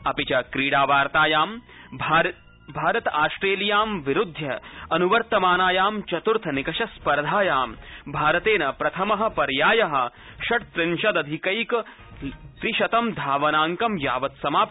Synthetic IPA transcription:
ɐpit͡ʃɐkɾiːɽaːʋaːɾt̪aːjaːm | b | bʱaːɾɐt̪aːsʈɾeːlijaːmʋiɾud̪ʱjɐɐnuʋɐɾt̪ɐmaːnaːjaːmt͡ʃɐt̪uɾt̪ʰɐnikɐʃɐspɐɾd̪ʱaːjaːmbʱaːɾɐt̪eːnɐpɾɐt̪ʰɐmɐɦɐ̆pɐɾjaːjɐɦɐ̆ | ʃɐʈt̪ɾɪnʃɐd̪ɐd̪ʱikɐjk | t̪ɾiʃɐt̪ɐmd̪ʱaːʋɐnaːŋkɐmjaːʋɐt̪sɐmaːp

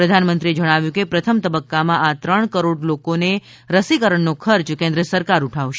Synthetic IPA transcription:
ɾəd̪ʱanmənt̪ɾied͡ʒəɽ̃aʋjũkepɾət̪ʰəmt̪əbəkːamãʔat̪ɾəɳkəɾoɖlokone | ɾəsikəɾəɳnokʰəɾt͡ʃkẽnd̪ɾəsəɾkaɾuʈʰaʋʃ

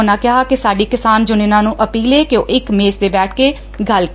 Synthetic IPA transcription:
nãːkɪɦakɪsaːɖiːkɪsaːnd͡ʒʊnɪnãːnũːʔəpiːleːkjõ̰ːʔɪkmeːsd̪eːbɛːʈʰkeː | ɡəl

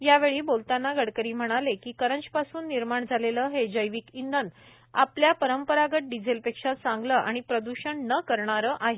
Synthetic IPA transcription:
jaʋeɭiːbolt̪anːaɡəɽkəɾiːm̤əɽ̃alekiːkəɾəɲt͡ɕpasuːnːiɾmaɳd͡zʱaleləɦed͡ʑəjʋikind̪ən | apljapəɾəmpəɾaɡəʈ̚ɖid͡zelpekʂasaŋɡləʔaɽ̃ipɾəd̪uɕəɳnəkəɾɳaɾəʔaɦe

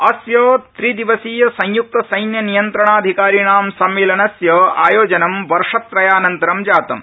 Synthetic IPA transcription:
ɐsjɐt̪ɾid̪iʋɐsiːjɐsɐ̃j̃juk̚t̪ɐsɐjnjɐnijɐnt̪ɾɐɳaːd̪ʱikaːɾiɳaːmsɐmːeːlɐnɐsjɐaːjoːd͡ʒɐnɐmʋɐɾʂɐt̪ːɾɐjaːnɐnt̪ɐɾɐmd͡ʒaːt̪ɐm

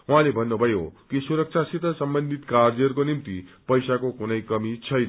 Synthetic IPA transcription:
uɦãlebʱʌnːubʱʌjokisuɾʌk̚t͡sʰasit̪ʌsʌmbʌnd̪ʱit̪kaɾd͡zʌrkonimt̪ipʌjsakokunʌjkʌmit͡sʰʌjnʌ

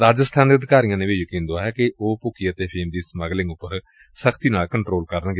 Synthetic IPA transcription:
ɾaːd͡ʒəst̪ʰaːnd̪eːəd̪ɪkaːɾijãːneːʋeːd͡ʒəkĩːnd̪oaːɦɛːkɪʔoːpʊkiːət̪eːpʰɪːmd̪iːsməɡlɪ̃ŋɡʊpːəɾ | səkʰt̪iːnaːlkəɳʈɾoːlkəɾənɡ

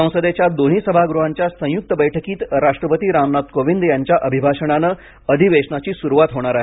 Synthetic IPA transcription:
ə̃w̃səd̪et͡ɕjad̪on̤iːsəbʱaɡɾuɦaɲt͡ɕjasə̃juk̚t̪əbəjʈʰəkiːt̪ɾaʂʈɾəpət̪iːɾamnat̪koʋind̪jaɲt͡ɕjaʔəbʱibʱaʂəɽ̃anə | əd̪ʱiʋeʂɳat͡ɕiːsuɾuʋat̪ɦoɽ̃aɾaɦe

